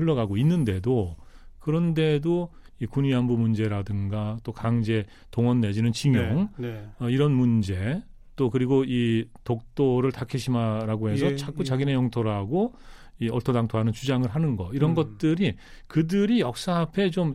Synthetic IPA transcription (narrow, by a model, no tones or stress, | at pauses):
hɯɭːʌɡaɡoinːɯnde̞dokɯɾʌnde̞doikuɲiɦambumund͡ʑe̞ɾadɯŋɡat͈okaŋd͡ʑe̞ | toŋʌnːe̞d͡ʑinɯnt͡ɕiŋjʌŋʌiɾʌnmund͡ʑe̞ | t͈okɯɾiɡoitok̚t͈oɾɯɭtakʰiɕʰimaɾaɡoɦe̞sʰʌt͡ɕʰak̚k͈ut͡ɕaɡine̞jʌŋtʰoɾaɡo | iʌɭtʰodaŋtʰoɦanɯnt͡ɕud͡ʑaŋɯɭɦanɯnɡʌiɾʌnɡʌt̚t͈ɯɾi | kɯdɯɾijʌk̚s͈aːpʰe̞t͡ɕom